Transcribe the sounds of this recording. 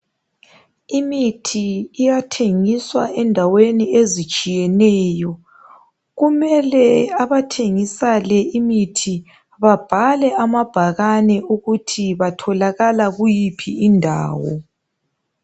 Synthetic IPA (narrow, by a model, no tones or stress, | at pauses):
imitʰiːjatʰeŋiswaɛndʱaweniezit͡ʃʼijɛnɛːjɔ | ɣumɛlɛaβatʰeŋisalɛimitʰi | βab̥ʱalɛamab̥ʱaɣanɛʔuɣutʰiβatʰɔlaɣalaɣujipʰḭːndʱa̰ːwɔ̰